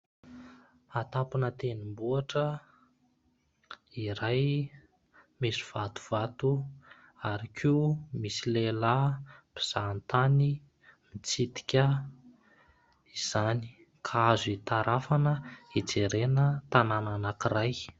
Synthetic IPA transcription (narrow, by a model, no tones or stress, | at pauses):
at̪ampunət̪enimbuaʈ͡ʂə | iɾaj | misiv̥at̪u̥v̥at̪u | aɾikʰiumisilelabiz̥ant̪ani | mit͡sit̪i̥kʲə | iz̥ani̥ | kʰaazit̪aɾʔafanəid͡zeɾenət̪anananakiraj